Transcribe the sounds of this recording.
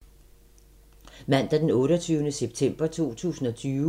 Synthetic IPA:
mæn̰d̥æd̥enɔ̽ːɾɒt͡sʰyːʊnəseb̥̚t͡sʰem̰b̥ɐt͡sʰo̝̰ːt͡sʰṵːsn̩ɒ̽t͡sʰyː

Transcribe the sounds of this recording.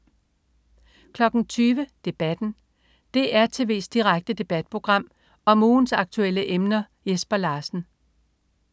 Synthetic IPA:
kʰlɒ̽ɡ̥n̩t͡sʰyːʋəd̥e̝b̥æd̥n̩ | d̥e̝ʔæɐt͡sʰe̝ʋe̝̰ːsd̥iʁaɡ̥̚d̥əd̥e̝b̥æd̥̚pʰʁo̝ɡ̥ʁɑ̈m̰ | ɒ̽muːn̩sɑ̈ɡ̥̚t͡sʰuel̰əʔemnɐ | jesb̥ɐlɑ̈ːsn̩

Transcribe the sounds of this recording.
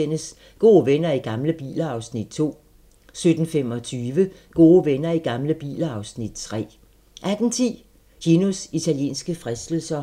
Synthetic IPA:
en̰əs | ɡ̥o̝ːʋenɐiɡ̥ɑ̈mləb̥ḭːləɑ̈ʊsnid̥̚t͡sʰo̝̰ː | sød̥n̩femɒ̽t͡sʰyːʋəɡ̥o̝ːʋenɐiɡ̥ɑ̈mləb̥ḭːləɑ̈ʊsnid̥t͡sʰʁɛ̰ː | ʔæɡ̥n̩t͡sʰḭ | jenusit͡sʰæljḛːnsɡ̥əfʁɛsd̥l̩sɐ

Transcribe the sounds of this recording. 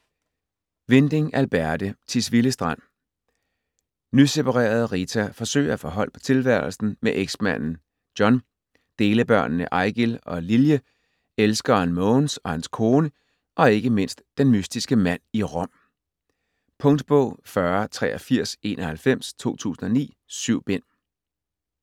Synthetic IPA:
ʋe̝nd̥e̝ŋælb̥æɐd̥ət͡sʰisʋiləsd̥ʁɑn̰ | nyse̝pʰɑ̈ʁḛːɐð̞ˠʁit͡sʰæfɒ̽sø̰ɪɐæfɒ̽ɦɒ̽l̰pʰɒ̥̽t͡sʰe̝lʋæɐl̩sn̩meʔeɡ̥smæn̰n̩ | d̥jɒ̽n | d̥e̝ːləb̥ɶɐ̰nnəʔɑ̈ɪ̰ɡ̥elɒ̽liljə | elsɡ̥ɐænmɔːnsɒ̽hænskʰo̝ːnə | ʔɒ̽e̝ɡ̥əme̝n̰sd̥ːenmysd̥isɡ̥əmæn̰iʁɒ̽m̰ | pʰɔ̽ŋd̥b̥ɔ̰̽ʊ̰fɶɐt͡sʰʁɛ̰ːɒfiɐ̰se̝̰ːnʔɒhælfem̰st͡sʰo̝̰ːt͡sʰṵːsn̩ɒ̽nḭː | syʊ̰b̥en̰

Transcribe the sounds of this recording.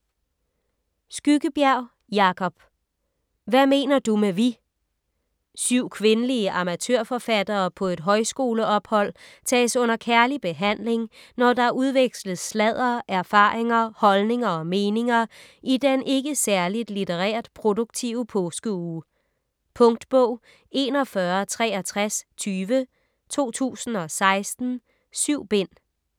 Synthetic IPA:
sɡ̥yɡ̥əb̥jæɐ̰ʊ̰ | jɑ̈kʰɒ̽b̥ | ʋæme̝̰ːnɐd̥umeʋi | syʊ̰kʰʋe̝nəliəʔɑ̈mæt͡sʰøɐ̰fɒ̽fæd̥ɐːpʰɒ̽e̝d̥ɦɒ̽ɪsɡ̥o̝ːləɒ̽b̥hɒ̽l̰t͡sʰɛ̰ːsɔ̽n̰ɐkʰæɐlib̥e̝ɦæn̰le̝ŋnɒd̥ɑæɐuð̞ˠʋeɡ̥sləð̩ˠslɛð̰ˠɐʔæɐfɑ̈ːʁeŋɐhɒ̽lne̝ŋɐɒ̽me̝ːne̝ŋɐʔid̥enʔe̝ɡ̥əsæɐlid̥lit͡seʁɛ̰ːɐð̥ˠpʰʁo̝d̥oɡ̥̚t͡sʰiʊəpʰɔːsɡ̥əuː | pʰɔ̽ŋd̥b̥ɔʊ̰ | e̝nɒ̽fɶɐt͡sʰʁɛːæt͡sʰʁast͡sʰyːʋə | t͡sʰo̝̰ːt͡sʰṵːsn̩ɒ̽sɑ̈ɪsd̥n̩ | syʊ̰b̥e̝n̰

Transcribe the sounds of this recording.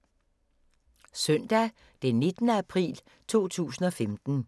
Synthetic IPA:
sœn̰d̥æ | d̥enːe̝d̥nəæpʰʁḭːl | t͡sʰo̝̰ːt͡sʰṵːsn̩ɒ̽femd̥n̩

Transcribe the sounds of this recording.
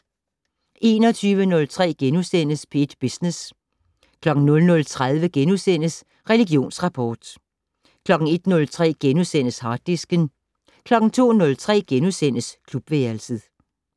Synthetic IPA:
ʔe̝ːnɒt͡sʰyːʋənɔ̽lt͡sʰʁɛ̰ːɡ̥enusen̰əspʰe̝ed̥b̥isnes | kʰlɒ̽ɡ̥n̩nɔ̽lnɔ̽lt͡sʰʁaðˠʋəɡ̥enusen̰əs | ʁɛliɡjo̝̰ːnsʁɑ̈pʰɒːd̥ | kʰlɒ̽ɡ̥n̩e̝d̥nɔ̽lt͡sʰʁɛ̰ːɡ̥enusen̰əshɑ̈ːd̥isɡ̥ən | kʰlɒ̽ɡ̥n̩t͡sʰo̝̰ːnɔ̽lt͡sʰʁɛ̰ːɡ̥enusen̰əskʰlub̥ʋeɐlsəð̩ˠ

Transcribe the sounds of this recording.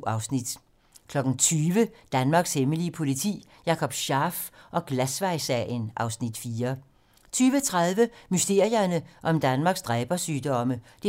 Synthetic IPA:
ɑʊsnid̥ | kʰlɒ̽ɡ̥n̩t͡sʰyːʋəd̥ænmɑ̈ːɡ̥sheməliəpʰo̝lit͡sʰḭː | jɑ̈ːkʰɒ̽b̥ɕɑ̈ːfʔɒ̽ɡ̥læsʋɑ̈ɪsɛ̰jənʔɑ̈ʊsnid̥fiːɐ | t͡sʰyːʋət͡sʰʁaðˠʋəmysd̥e̝ɐjɐnəʔɒ̽md̥ænmɑ̈ːɡ̥sd̥ʁɛːb̥ɐsyːd̥ɒ̽məd̥e

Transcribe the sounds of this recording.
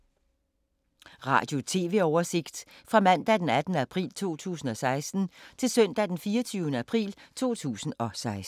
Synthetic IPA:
ʁɑ̰̈ːd̥jo̝t͡sʰe̝ːʋe̝̰ːɒʊɐse̝ɡ̥d̥fʁɑ̈mæn̰d̥æd̥enæd̥n̩əæpʰʁḭːlt͡sʰo̝̰ːt͡sʰṵːsn̩ɒ̽sɑ̈ɪsd̥n̩t͡sʰe̝lsœn̰d̥æd̥enfiːɐt͡sʰyːʊnəæpʰʁḭːlt͡sʰo̝̰ːt͡sʰṵːsn̩ɒ̽sɑ̈ɪs

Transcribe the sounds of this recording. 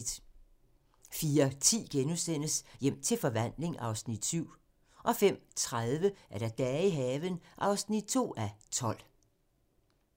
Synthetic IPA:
d̥ | fiːɐt͡sʰḭːɡ̥enusen̰əsjem̰t͡sʰe̝lfɒ̽ʋæn̰le̝ŋʔɑ̈ʊsnid̥syʊ̰ | ʔɒ̽fem̰t͡sʰʁaðˠʋəæɐɾ̥æd̥ɛːiɦɛːʋənʔɑ̈ʊsnid̥̚t͡sʰo̝̰ːæt͡sʰɒ̽l̰

